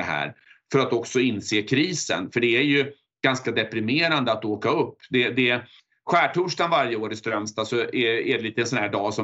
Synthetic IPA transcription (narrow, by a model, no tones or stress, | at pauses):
ɛɦæ̰ːɾ | fœɾat̪ɔksɔɪnːseːkʰɾiːsə̰nfœɖɛæɾjɵ | ɡ̥anskad̪ɛpɾɪmeːɾand̪əat̪oːkaɵpːd̪ɛd̪ɛ | ɧæːʈʰuːʂʈanvaɾjəoːɾɪst̪ɾœmst̪asɔɛæɖɛliːt̪əɛnsɔnhæːɖɑːsɔ